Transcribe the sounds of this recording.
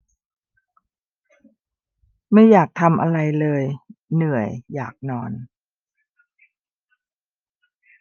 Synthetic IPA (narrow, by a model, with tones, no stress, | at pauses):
ma˥˩jːaː˨˩k̚t̪ʰa˧mʔa̰˧ɾa˧jlɤː˧jnɯ˨˩əjːaː˨˩k̚nɔː˧n